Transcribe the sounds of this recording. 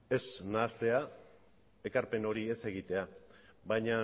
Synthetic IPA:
e̞snaːst̪e̞a | e̞kaɾpe̞no̞ɾie̞se̞ɣ̞it̪e̞aβajɲa

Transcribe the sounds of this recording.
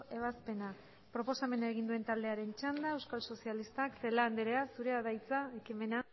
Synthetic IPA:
e̞β̞aspe̞na | pɾo̞po̞same̞naeɣ̞ind̪ue̞nt̪ald̪e̞aɾe̞nt͡ʃand̪ae̞wskalso̞sialist̪akse̞land̪eɾeasuɾe̞aðajt͡saekime̞na

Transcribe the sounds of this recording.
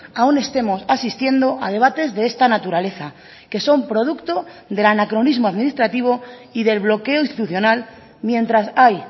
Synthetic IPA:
aune̞st̪e̞mo̞sasist̪je̞nd̪o̞ʔað̞e̞β̞at̪e̞zðe̞est̪anat̪uɾale̞θa | ke̞so̞mpɾo̞ð̞ukt̪o̞ðe̞lanakɾo̞nizmoaðminist̪ɾat̪iβ̞o̞iðe̞lβlo̞keoist̪i̥t̪uθjo̞nal | mjẽ̞nt̪ɾasaj

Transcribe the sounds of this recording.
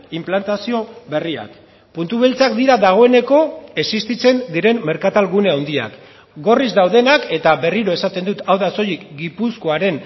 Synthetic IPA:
implant̪asio̞βe̞ria̰k | punt̪uβelt͡sakd̪iɾaðaɣ̞o̞e̞ne̞ko̞e̞sist̪it͡se̞nd̪iɾe̞mme̞ɾkat̪alɣune̞awnd̪ia̰k | ɡo̞rizd̪awðe̞nake̞t̪aβe̞riɾo̞e̞sat̪e̞nd̪ut̪awðaso̞jikɡipusko̞aɾe̞n

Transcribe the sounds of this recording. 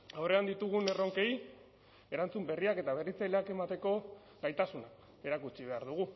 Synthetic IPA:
awre̞and̪it̪uɣ̞une̞ro̞ŋke̞j | e̞ɾant͡sumbe̞riake̞t̪aβ̞e̞rit͡sajleake̞mat̪e̞ko̞ | ɣajt̪asunak | e̞ɾakut͡siβe̞aɾðuɣu

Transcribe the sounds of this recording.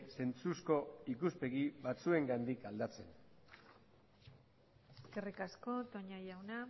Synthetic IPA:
se̞nt͡susko̞ikuspe̞ɣiβat͡sue̞ŋɡand̪ikald̪at͡se̞n | eske̞rikasko̞t̪o̞ɲajawna

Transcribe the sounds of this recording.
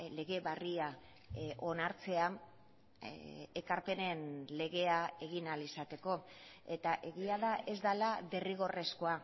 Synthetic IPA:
le̞ɣe̞βaria | ʔo̞naɾt͡se̞a | ekaɾpe̞ne̞nle̞ɣ̞e̞ae̞ɣinalisat̪e̞ko̞e̞t̪aʔe̞ɣiaðaʔe̞zd̪alaβeriɣ̞o̞re̞skoa

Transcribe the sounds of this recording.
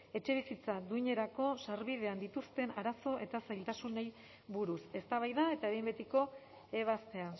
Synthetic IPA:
e̞t͡ʃe̞β̞isit͡sad̪uiɲe̞ɾako̞saɾβiðe̞and̪it̪ust̪e̞naɾaso̞ʔe̞t̪asajlt̪asune̞j | βuɾuse̞st̪aβajðae̞t̪aeβjmbet̪iko̞ | eβast̪e̞a

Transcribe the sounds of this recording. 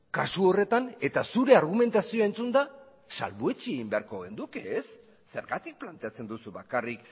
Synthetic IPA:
kasuo̞re̞t̪ane̞t̪asuɾe̞aɾɣ̞ume̞nt̪asioaent͡sund̪a | sa̰lβue̞t͡ʃieɣimbe̞aɾkoɣend̪ukeːsː | e̞ɾɣat̪ik̚plant̪e̞at͡se̞nd̪usuβakarik

